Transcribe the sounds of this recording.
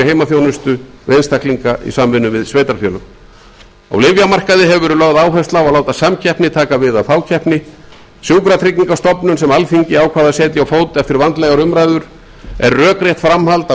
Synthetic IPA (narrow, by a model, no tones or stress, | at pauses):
heːjmaθjownʏst̪ʏ | vejnst̪ʰahkliŋkaʔḭsamvɪnːʏvɪðsveːjt̪aɾfjœːlʏ | a̰wlɪvjamar̥kaðɪɦɛvʏvɛːɾʏlœɣðaːwɦɛst̪lawalaːwt̪asamcʰɛhpnɪt̪ʰaːkavɪðafaːwcʰɛhpnɪ | sjuːwkɾat̪ʰɾɪcːiŋkast̪ɔpnʏnsɛmalfiɲcɪaːwkʰvaːðasɛːt̪jɪawfoːwt̪ɪaft̪ɪɾvant̪lɛjɣaɾʏmɾajðʏɾ̥ | ɛɾːœːkɾjɛht̪fɾamhalt̪a